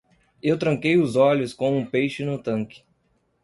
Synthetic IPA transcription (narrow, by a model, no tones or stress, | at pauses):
ewt̪ɾɐ̃ŋkejʊzɔʎʊskõũpejʃɪnʊt̪ɐ̃kɪ̥